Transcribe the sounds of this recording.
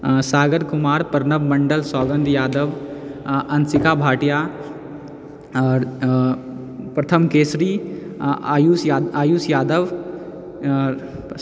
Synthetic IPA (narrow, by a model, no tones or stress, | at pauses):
saːɡəɾkʊmaːɾpɐɾnəʋmɐɳɖəlsɔːɡə̃nd̪ʱjaːd̪əʋ | ɐnsɪkaːbʱaːʈija | ɔːɾ | pɾɐt̪ʰəmkeːsɾi | juːsaaːjuːsjaːd̪əʋ